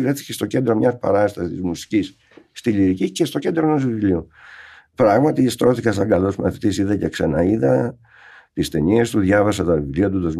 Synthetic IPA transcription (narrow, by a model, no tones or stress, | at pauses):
vɾeθi̥cest̪o̞ce̞nd̪ɾo̞mɲɐspɐ̰ɾɐst̪ɐsit̪izmusi̥cis | st̪iliɾicice̞st̪o̞ce̞nd̪ɾonozivivlio | pɾɐɣmɐt̪ist̪ɾo̞θikɐs̬ɐŋɡɐlosmɐ̰θit̪isiðɐceksenɐiðɐ | t̪ist̪e̞niest̪uðʝɐvɐsɐt̪ɐvivliɐt̪ut̪ɐz